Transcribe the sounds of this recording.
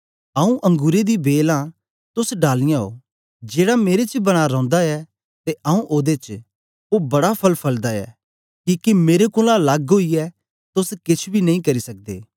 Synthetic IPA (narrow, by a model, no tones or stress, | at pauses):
ɐũʔɐ̃ŋɡuːɾed̪ibeːlã | t̪ʊsɖaːlɪjãɦo̰ː | d͡ʒeːɽameːɾet͡ʃbɐɽ̃aɾɔ̃ːnd̪aɛ | t̪eʔɐũʔoːd̪et͡ʃ | obɐɽapʰɐlpʰɐld̪aɛ̰ː | kiːkimeːɾekʊlãlɐɡɦoiɛ | t̪ʊskɪt͡ʃʰbʱinɐ̃ɦĩkɐɾisɐk̚d̪ḛː